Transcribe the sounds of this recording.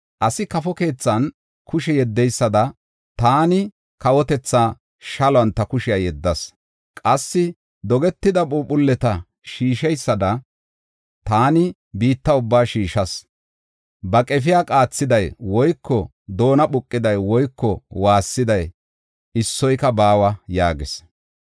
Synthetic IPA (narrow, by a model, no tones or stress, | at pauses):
ʔɐsɪkɐfɔke̞ːt͡sːɐn | kʰʊʃɛjɛd̪ːɛjsːɐd̪ɐ | t̪aːnɪ | kɐwɔt̪ɛt͡sːaː | ʃɐlɔɐnt̪ɐkʊʃɪjajɛd̪ːɐs | kʼɐsːɪ | d̪ɔɡɛt̪ːɪd̪ɐbuːpʊlːɛt̪ɐ | ʃiːʃɛjsːɐd̪ɐ | t̪aːnɪ | biːt̪ːɐʊbːaːʃiːʃɐs | bɐkʼɛfɪjakʼaːt͡sːɪd̪ɐjwɔjkːɔ | d̪o̞ːnɐɓʊkʼːɪd̪ɐjwɔjkʰːɔwaːsːɪd̪ɐj | ɪsːɔjkɐbaːwɐjaːɡɪs